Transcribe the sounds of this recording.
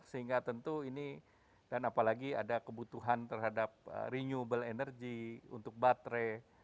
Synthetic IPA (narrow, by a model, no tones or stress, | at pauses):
səɦiŋɡat̪ənt̪uini | danapalaɡia̰dakəbut̪uɦant̪ərɦadap̚ə̰ɾiɲubəlenərɡiṵnt̪ʊk̚bat̪ɾe